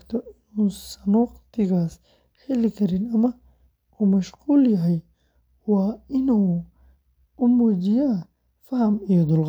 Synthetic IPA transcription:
kt̪ʰɔʔɪnuːsɐnɔːqt̪ʰɪɣaːs | hɛlɪkʰɐɾɪnɐmɐ | uːmɐʃquːljɐɦɛj | wɑːɪnuː | ʊmuːd͡ʒɪjaː | fɐhɐmijɔd̪ʊlʁ

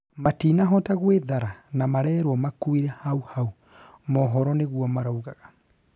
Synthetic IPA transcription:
matinaɦɔtaɣweðaɾanamaɾɛːɾwɔmakuiɾɛhauhau | mɔɦɔɾɔneɣwɔmaɾauɣaɣa

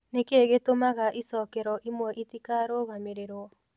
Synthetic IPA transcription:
nekeɣetomaɣaʔisɔkɛɾɔʔimwɔʔitikaɾoɣameɾeɾwɔ

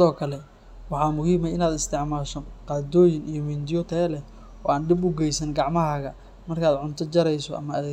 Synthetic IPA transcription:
sɪðɔːkʰɐlɛ | wɑħɑːmʊhiːmɐɪnaːd̪ɪst̪ʰɪʕmaːʃɔqɑːd̪ɔːjɪnijɔmind̪ɪjɔt̪ʰɐɛlɛ | ɔːaːnɖɪbʊɡɛjsɐnɡɑʕmɐɦaːɣɐ | mɐrkʰaːd̪ʕʊnt̪ʰɐt͡ʃɐɾɛjsɔɐ̰mɐːðɛː

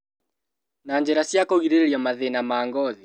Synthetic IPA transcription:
naːɲd͡ʒɛɾasiakɔɣiɾɛɾiamaðɛnamaːŋɡɔði

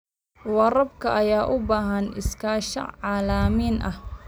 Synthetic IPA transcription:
wɑrɐbkʰɐʔɐjaːʔʊbaːɦɐnɪskʰaːʃɐ̰ʕɑːlaːmiːnʔɐh

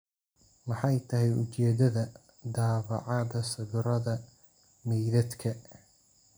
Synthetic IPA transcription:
mɑħɑjt̪ʰɐɦɛjʊ̰t͡ʃɛːd̪ɐðɐ | d̪aːβɑ̰ʕɑðɐsɐβʊɾɐðɐ | mɛjðɐd̪kʰɐ

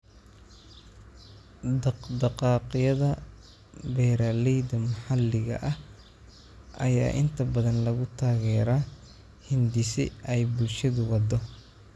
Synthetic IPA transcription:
d̪ɑqd̪ɑqɑːqɪjɐðɐ | bɛːɾaːlɛjd̪ɐmɐħɑlːɪɣɐ̰ʔɐh | ʔɐ̰ja̰ːʔɪnt̪ʰɐbɐðɐnlɐɣʊt̪ʰaːɣɛːɾa | hɪnd̪ɪsɪ̰ɛjbʊlʃɐðʊwɑd̪ɔ

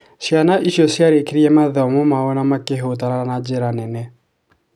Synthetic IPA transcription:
sjanaʔiɕjosjaɾekeɾiɛmaðɛɔmomaonamakeɦot̬anaanad͡ʒeɾanɛnɛ

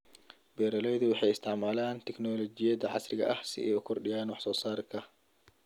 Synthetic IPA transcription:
bɛːɾɐlɛjðʊwɑħɑjɪst̪ʰɪʕmaːlaːnt̪ʰɛknɔːlɔt͡ʃɪjɐdɐʕɑ̰srɪɣɐ̰ʔɐhsɪ̰ʔɛ̰ːʊkʰɔrɖɪjaːnwɑħsɔːsaːɾɪkʰɐ

